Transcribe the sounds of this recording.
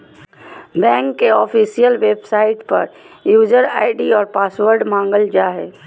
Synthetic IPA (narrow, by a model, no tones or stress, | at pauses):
bɛ̃ːŋkːeɔːfʰiːsijəlʋeːbsaːɪʈpɐɾ | juːd͡ʒəɾa̰ːɪɖiɔːɾpaːsʋəɾɖmãːŋɡəld͡ʒaːɦɛː